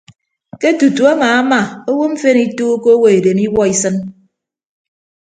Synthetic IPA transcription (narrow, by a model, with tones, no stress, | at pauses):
ke˦tu˨tu˨a˦ŋaː˨a˦ma˨o˦wo˦m̩˦fe˦ni˦tuː˦ko˦wo˦e˨de˨mi˦wɔ˦i˦sɨ˦n